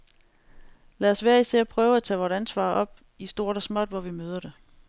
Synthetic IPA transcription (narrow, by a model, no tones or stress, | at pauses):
læɒsʋæːɐisḛːɐpʰʁœːʊæt͡sʰɛ̰ʋɒːɾænsʋɑ̰̈ːʔɒ̽b̥̚ | isd̥o̝ːɐɾ̥ɒsmɒ̽d̥ʋɒʋimøːð̞ˠɐd̥e̝